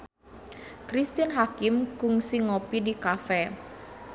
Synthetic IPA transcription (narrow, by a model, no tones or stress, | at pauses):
kɾist̪ɪnɦakɪmkʊŋsiŋopidikafɛ